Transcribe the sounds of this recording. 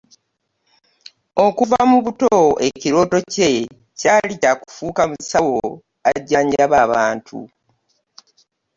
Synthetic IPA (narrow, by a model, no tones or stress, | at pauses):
o̞kuvamuβutoeciɾo̞ːto̞ce̞ | caːlicaku̥fuːkamusawo | aɟːaːɲɟaβaːβaːntʰṵ